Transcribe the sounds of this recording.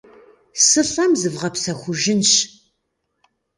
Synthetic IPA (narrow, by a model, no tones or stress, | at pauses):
sɨɬɐmzɨvʁɐpsɐχʷʊʒɪnɕ